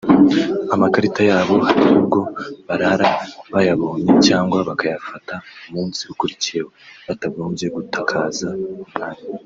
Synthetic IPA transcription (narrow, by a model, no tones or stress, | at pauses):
amakaɾitajaːβo̞haɾijubɡo̞βaɾaɾaβajaβo̞ɲecaːŋɡwaβakajafataumuːnsiukuɾicijehoβataɡo̞ːmbje̞ɡutʰakʰaːzaumaːɲi